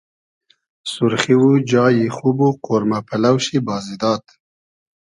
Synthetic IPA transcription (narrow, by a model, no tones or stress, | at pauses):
sʊɾxiwud͡ʒɑːjixubuqoɾmapʰalawʃibɑːzid̪ɑːt̪